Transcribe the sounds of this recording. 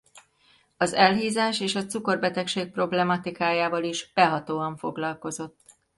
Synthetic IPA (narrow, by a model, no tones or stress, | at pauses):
ɒzɛlɦiːzaːʃeːʃɒt̪suko̞rbɛt̪ɛkʃeːk̚pro̞blɛmɒt̪ikaːjaːvɒliʒb̥ɛɦɒt̪oːɒɱfo̞ɡlɒlko̞zo̞t̪ː